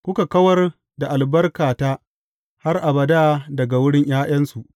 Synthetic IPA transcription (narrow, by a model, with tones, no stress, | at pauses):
kʷʊ˦ka˨kɐ˦wɐ˦r | da˨ʔa˨lbɐ˦rkaː˨taː˦ | ha˦rʔa˨bɐ˨daː˦dɐ˨ɡa˨wʊ˦ɽɪ˦ɲj̰aː˦j̰ɐ˦nsu˨ʔ